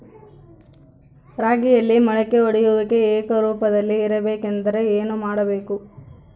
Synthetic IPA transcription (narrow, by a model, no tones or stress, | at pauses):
ɾaːɡijɐlːimɐɭɛkːeoɽijuʋɐkːe̞eːt̪ɐɾuːpɐd̪ɐlːiːɾɐbe̞ːkend̪ɐɾe̞eːnumaːɽɐbe̞ːku